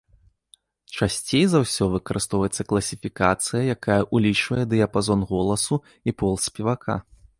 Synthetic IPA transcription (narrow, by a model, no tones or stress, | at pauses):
t͡ʂasʲt͡sʲejzawsʲɔvɨkɐɾʔɨst̪ɔwvɐjɛt̪sːɐklˠɐsʲifʲikat̪sɨjɐjakajɐʔulʲit͡ʂvɐjɛd̪ɨjɐpazɔnɣɔlˠɐsu | ipɔlˠsʲpʲɛvakʰa̰